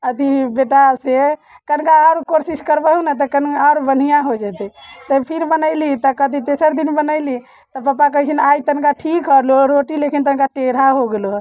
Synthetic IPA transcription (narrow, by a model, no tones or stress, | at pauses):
əd̪ʱibeʈase | kənkaaɾkoɾsiskəɾbəɦunɛt̪̬ɔkənaɾbən̤ijãɦod͡ʒɛt̪ɛt̪əpʰiɾbənəɪlit̪ɔkəd̪ʱit̪esəɾd̪inbənəɪli | t̪ɔpapak̬əɦit͡ʃʰinajt̪ənkaʈʰikɦəloɾoʈilekint̪ənkaʈeɾaɦoɡelo